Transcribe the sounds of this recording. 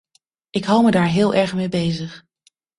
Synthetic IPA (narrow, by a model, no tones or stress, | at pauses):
ʔɪkɦɑwˠmədaːɹɦɪːlˠʔɛɹχmejbejzəχ